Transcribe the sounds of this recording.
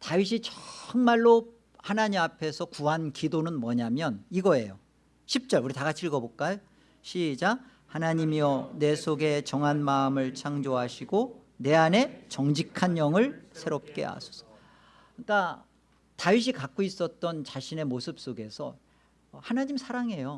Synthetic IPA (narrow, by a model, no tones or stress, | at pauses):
taɥiɕ̬ʰit͡ɕʌŋmaɭːo | hanaɲimapʰe̞sʰʌkuɦankidonɯnmwʌɲamjʌniɡʌe̞jo | ɕʰip̚t͡ɕ͈ʌɭuɾitaɡat͡ɕʰiɭɡʌbok͈ajo | ɕʰid͡ʑa | hanaɲimiʌne̞sʰoɡe̞t͡ɕʌŋɦanmaɯmɯɭt͡ɕʰaŋd͡ʑoɦaɕʰiɡo | ne̞ane̞t͡ɕʌŋd͡ʑikʰanjʌŋɯɭsʰeɾop̚k͈e̞̰a̰sʰʌ̥sʰʌ | k͈a | taɥiɕ̬ʰikak͈ois͈ʌt̚t͈ʌnt͡ɕaɕʰine̞mosʰɯp̚s͈oɡe̞sʰʌ | hanaɲimsʰaɾaŋe̞jo